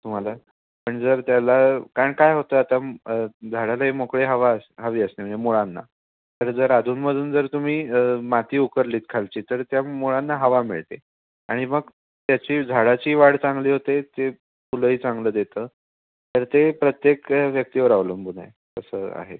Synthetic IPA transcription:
t̪um̤ala | pəɳd͡zəɾt̪jalakaɾəɳkajɦot̪əːat̪aəd͡zʱaɽalaemokɭeɦəʋaəsɦəʋiːəsneməɳemoɭanːa̰ | t̪əɾd͡zəɾad̪ʱuːnməd̪ʱuːnd͡zəɾt̪um̤iːmat̪iːukəɾliːt̪̚kʰalt͡ɕiːt̪əɾt̪jamoɭanːaɦəʋamḭɭt̪e | aɽ̃iməɡ | t̪jat͡ɕiːd͡zʱaɽat͡ɕiːʋaɽt͡sãŋɡliːɦot̪et̪e | puləiːt͡saŋɡləːd̪et̪əː | t̪əɾt̪epɾət̪jekʋjək̚t̪iːʋəɾaʋləːnbud̪ʱa̰e | kəsə̰ːa̰ɦḛ

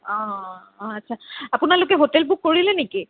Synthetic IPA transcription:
ɔ̃ | atsʰaapʊnalʊkɛɦotɛlbukːoɹilɛniki

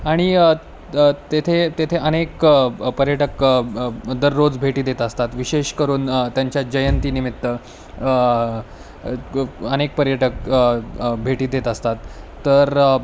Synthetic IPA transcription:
aɽ̃i | t̪et̪ʰet̪et̪ʰeənekpəɾjəʈək | d̪əɾːod͡zbʱeʈiːd̪et̪əst̪at̪ʋiɕeɕkəɾuːnt̪jaɲt͡ɕjad͡ʑəjənt̪iːnimit̪ːə | ənek̚pəɾjəʈək | bʱeʈiːd̪et̪əst̪at̪ː | əɾ

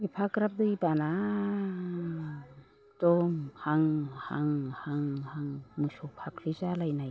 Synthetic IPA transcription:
mipʰakɾap̚d̪ɯibana | tɔmhaŋhaŋhaŋhaŋmɯsɔpʰapʰlɯzalajnaj

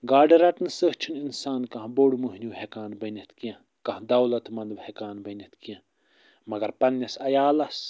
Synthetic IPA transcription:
ɡaːɖɐɾɐʈnsəht͡ʃʰininsaːnkɐ̃ɦboːɽmuɦnjuːhekaːnbɐnʲɐt̪kijɐ̃ | kɐ̃ɦd̪ɐwlɐt̪mɐnd̪ʋhekaːnbɐnʲɐt̪kijɐ̃ | mɐɡɐɾpɐnːɐsɐjaːlɐs

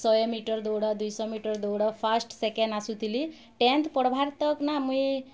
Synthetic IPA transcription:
sɔjemiʈəɾd̪ɔwɽad̪ujsɔmiʈəɾd̪ɔwɽɔpʰasʈsekeɳɖasut̪ili | ʈẽnt̪ʰpɔɽbʱaɾt̪əknamũi

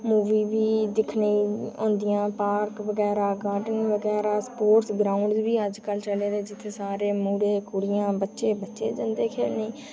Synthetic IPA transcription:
muːʋiːʋiːd̪ɪkʰniːõ̰ːnd̪ɪjãːpaːɾkʋəɡɛːɾaːɡaːɖənʋəɡɛːɾaːspoːɾsɡɾaːʊɳɖbiːəd͡ʒkəlt͡ʃəleːd̪eːd͡ʒɪt̪ʰːeːsaːɾeːmuːɽeːkʊɽijãːbətːʃeːbətːʃeːd͡ʒãːnd̪eːkʰeːlneː

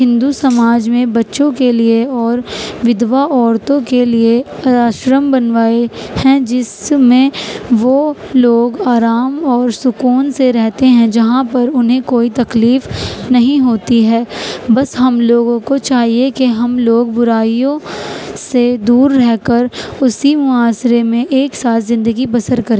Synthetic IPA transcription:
ɦɪ̃nd̪usɐmaːd͡ʒmẽbɐtːʃõkelieɔːɾʋɪd̪ʋaʔɔːɾt̪õkelieaːʃɾəmbɐnʋaːehɛ̃d͡ʒɪsmẽʋo | loːɡaːɾaːmɔːɾsʊkuːnseɾɛɦt̪eɦɛ̃d͡ʒɐɦãpɐɾʊnɦẽkoːit̪ɐkliːfnɐɦĩɦoːt̪iɦɛːbɐsɦɐmloːɡõkot͡ʃaːɦiekeɦɐmloːɡ̚bʊɾaːijõsed̪uːɾːɛɦkɐɾʊsimʊaːsɾemẽʔeːksaːt̪ʰzɪ̃nd̪əɡibɐsəɾkɐɾẽː

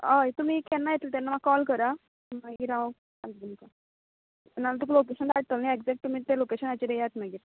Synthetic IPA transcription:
aet̪um̤iːkɛnːajet̪ilt̪anːamaɡkɔlkəɾa | aɡiɾã | ad̪umka | nːalat̪ukulokeɕənd̪aɽ̚t̪əlnieɡd͡zek̚ʈːum̤iːt̪elokeɕənat͡ɕiɾejat̪naɡiːɾ

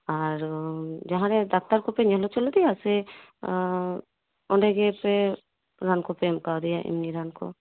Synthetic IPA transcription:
aɾd͡ʒaɦãɾɛd̪ak̚t̪aɾkɔpɛɲɛɦlɔt͡ʃɔlɔd̪ɛjasɛ | ɔɳɖɛɡɛpɛ | ɾankɔpɛmkawd̪ɛjaʔḭmniɾankɔ̰

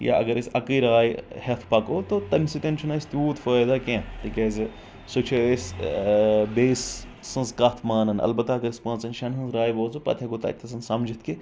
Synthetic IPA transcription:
ja̰ʔɐ̰ɡɐɾisʲɐkiːɾaːjihet̪ʰpɐkoːt̪ot̪ɐnʲsit̪ʲent͡ʃʰunaisʲt̪juːt̪fəːjd̪akẽːt̪ikʲeze | sut͡ʃʰees | beːsː | ɐ̃nzkɐt̪ʰmaːnɐnɐ̰lbɐt̪ːaɐɡɐɾispãːt͡sɐnʃɐnɦɐ̃nzɾaːjboːzupɐ̰t̪ʰʲɐɡut̪ɐ̰t̪ʰːɐsɐnsɐmd͡ʒit̪ʰki

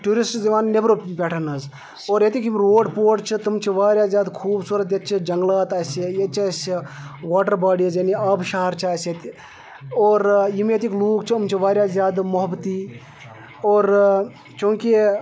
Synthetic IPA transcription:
ʈuːɾisʈziʋaːnnebɾoːpʲɛːʈʰɐnɐz | oːɾjet̪ikimɾoːɖpoːʈt͡ʃʰit̪umt͡ʃʰiʋaːɾjaːzjaːd̪kʰuːbsuːɾət̪̬jɐt̪̚t͡ʃʰid͡ʒɐŋɡlaːt̪aːsejet͡ʃʰɐsiʋaːʈəɾbaːɖizjɐniɐbʃɐɦɐɾt͡ʃʰaːset̪i | oːɾjimet̪ikluːkt͡ʃʰiɐmt͡ʃʰiʋaːɾjaːzʲjaːd̪mʊɦbt̪iː | oːɾ | t͡ʃũŋki

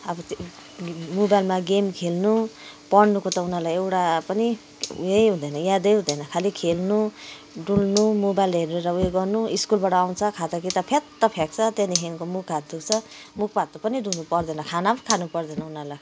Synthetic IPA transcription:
ʌbʌt̪ | mobajlmaɡemkʰelnupʌɽnukot̪ʌunalajewʈapʌnḭ | jejɦũd̪ʌjnʌjad̪ʌjɦũd̪ʌjnʌkʰalikʰelnu | ɖulnumobajlɦeɾneɾʌweɡʌrnuiskulbaʈʌaw̃t͡sʰʌkʰat̪ʌkit̪ʌpʰet̪ːʌpʰek̚t͡sʰʌt̪eniɦʰenkomukːat̪̚d̪ukt͡sʰʌmuk̚ʰbat̪ːopʌniɖunupʌrd̪ʌnʌkʰanakʰanupʌrd̪ʌnʌunala

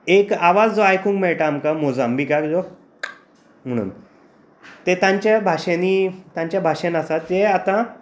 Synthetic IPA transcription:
ekaʋad͡zd͡zoajkũːŋkmɛɭʈaːmkamod͡zambʱiːkakd͡zo | m̤əɽ̃ṵːn | t̪et̪ãɲt͡ɕjabʱaʂenit̪ãɲt͡ɕjabʱaʂenasat̪ːeat̪ã

